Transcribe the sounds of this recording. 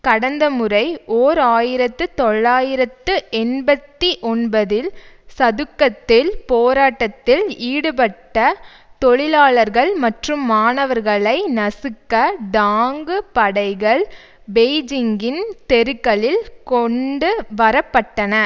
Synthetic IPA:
kɐɽɐnd̪ɐmɯrɐɪʔoːɾaːjɪɾɐt̪ːɯt̪ɔɭːaːjɪɾɐt̪ːɯʔɛnbɐt̪ːiʔɔnbɐðɪl | sɐðɯkːɐt̪ːɪlpoːɾaːʈːɐt̪ːɪliːɽɯpɐʈːɐ | t̪ɔɭɪlaːɭɐɾɣɐɭmɐʈrɯmːaːnɐʋɐɾɣɐɭɐɪnɐsɯkːɐɖaːŋɡɯpɐɽɐɪɣɐɭ | beːɪd͡ʒɪŋɡɪnt̪ɛɾɯkːɐɭɪlkɔɳɖɯʋɐɾɐpːɐʈːɐnɐ

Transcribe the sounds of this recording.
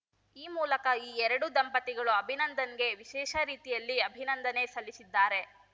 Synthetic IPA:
iːmuːlɐkɐiːɛɾɐɽud̪ɐmpɐt̪iɡɐɭuɐbʱinɐnd̪ɐnɡe̞ʋiʃɛːʃɐɾiːt̪ijɐlːiɐbʱinɐnd̪ɐne̞sɐlːisid̪ːaːɾe̞

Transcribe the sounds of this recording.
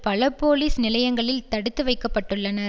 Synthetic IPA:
pɐlɐpːoːliːsnɪlɐjɐŋɡɐɭɪlt̪ɐɽɯt̪ːɯʋɐɪkːɐpːɐʈːɯɭːɐnɐɾ

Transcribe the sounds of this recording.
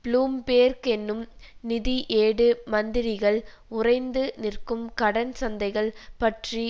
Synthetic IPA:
pluːmpeːɾkɛnːɯmnɪðiʔeːɽɯmɐnd̪ɪɾɪɣɐɭ | ʊrɐɪnd̪ɯnɪrkɯmkɐɽɐnsɐnd̪ɐɪɣɐɭpɐʈri

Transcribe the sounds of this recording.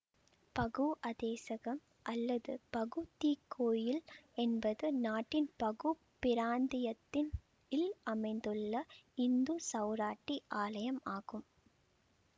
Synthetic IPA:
pɐɣɯʔɐðeːsɐɣɐm | ʔɐlːɐðɯpɐɣɯt̪iːkʰːoːjɪlɛnbɐðɯnaːʈːɪnpɐɣu | pɪɾaːnd̪ɪjɐt̪ːɪn | ɪlɐmɐɪnd̪ɯɭːɐɪnd̪usɐʊɾaːʈːiʔaːlɐjɐmaːɣɯm

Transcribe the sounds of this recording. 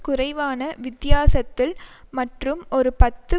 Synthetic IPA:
kʊrɐɪʋaːnɐʋɪt̪jaːsɐt̪ːɪlmɐʈrɯmʔɔɾɯpɐt̪ːɯ

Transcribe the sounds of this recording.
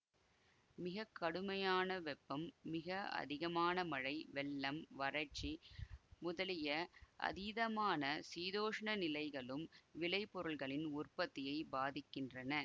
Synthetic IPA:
mɪɣɐkːɐɽɯmɐjaːnɐʋɛpːɐmːɪɣɐɐ̰ðɪɣɐmaːnɐmɐɻɐɪʋɛlːɐmʋɐɾɐt͡ʃːimʊðɐlɪjɐʔɐ̰ðiðɐmaːnɐsiːðoːʂɐɳɐnɪlɐɪɣɐɭɯmʋɪlɐɪpːɔɾɯɭɣɐɭɪnʊrpɐt̪ːɪjɐɪbaːðɪkːɪndrɐnɐ

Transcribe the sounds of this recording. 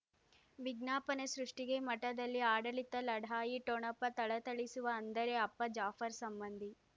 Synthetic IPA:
ʋiɡnaːpɐnesɾuʂʈiɡe̞mɐʈːɐd̪ɐlːiaːɽɐɭit̪ːɐlɐɽʱaːjiʈoɳɐpːɐt̪ɐɭɐt̪ɐɭisuʋɐːnd̪ɐɾeɐpːɐd͡ʒaːfʰɐɾsɐmbɐnd̪ʱi

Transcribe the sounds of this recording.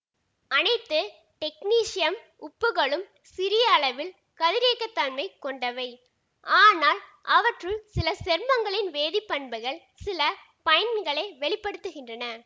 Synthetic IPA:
ɐnɐɪt̪ːɯ | ʈɛkniːʂɪjɐm | ʊpːɯɣɐɭɯm | sɪɾɪjɐːɭɐʋɪl | kɐðɪɾeːkːɐt̪ːɐnmɐɪkːɔɳɖɐʋɐɪ | ʔaːnaːlʔɐʋɐʈrɯsɪlɐsɛɾmɐŋɡɐɭɪnʋeːðɪpːɐɳbɐɣɐɭ | sɪlɐ | pɐjɐnɡɐɭeːʋɛɭɪpːɐɽɯt̪ːɯɣɪndrɐnɐ

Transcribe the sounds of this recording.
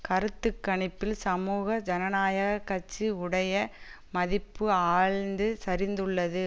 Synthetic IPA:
kɐɾɯt̪ːɯkːɐɳɪpːɪlsɐmuːɣɐd͡ʒɐnɐnaːjɐɣɐkːɐt͡ʃːɯʊɽɐjɐ | mɐðɪpːɯaːɻnd̪ɯsɐɾɪnd̪ɯɭːɐðɯ

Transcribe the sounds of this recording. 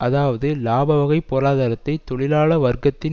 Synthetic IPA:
ʔɐðaːʋɐðɯlaːbɐʋɐɣɐɪpːoːɾaːðɐːɾɐt̪ːɐɪt̪ːɔɭɪlaːɭɐʋɐɾɡɐt̪ːɪ

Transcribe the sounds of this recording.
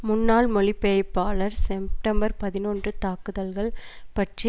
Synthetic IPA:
mʊnːaːlmɔɭɪpːeɐɪpːaːlɐɾsɛp̚ʈɐmbɐɾpɐðɪnoːndrɯt̪aːkɯðɐlɣɐɭpɐʈri

